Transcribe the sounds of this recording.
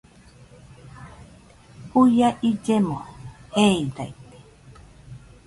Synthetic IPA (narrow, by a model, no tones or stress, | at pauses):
ujaʔid͡ʒemoheidait̪e̥